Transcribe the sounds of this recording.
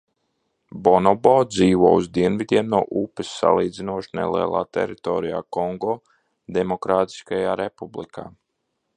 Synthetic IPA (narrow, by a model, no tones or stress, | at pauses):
bɔnɔbɔːd̪ziːʋoɔːuzd̪iɛnvid̪ʲiɛmnuɔʔupɨsːa̰lˠiːd̪zinuɔʃnḛlˠḭɛlˠa̰ːt̪ɛ̰ɾit̪ɔːɾija̰ːkɔŋɡɔː | d̪emɔkɾaːt̪i̥skajaːɾepublḭkʰaː